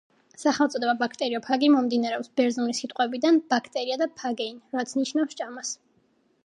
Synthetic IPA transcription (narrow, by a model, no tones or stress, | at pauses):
saχɛlˠt̪sʼɔd̪ɛbabakʰt̪ʼɛɾiɔpʰaɡimɔmd̪inaɾɛɔpsbɛɾzunisit̪ʼqʼwɛbid̪anbakʰt̪ʼɛɾiad̪apʰaɡɛinɾat̪sʰniʃnafsd͡ʒamas